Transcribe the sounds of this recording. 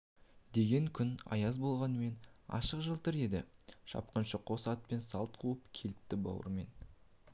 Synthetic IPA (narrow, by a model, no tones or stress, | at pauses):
d̪e̞ɡʲe̞ŋkʲʰʏnɑ̰jɑzbolˠʁɑnəme̞nɑ̰ʃəqʒəlˠt̪ʰɪɾe̞d̪ɪʃɑ̰p̚qənʃəqʰo̞sɑt̪̚pe̞nsɑlˠt̪̚qʰuəpkʲʰe̞lɪp̚t̪ɪbɑ̰wə̰ɾme̞n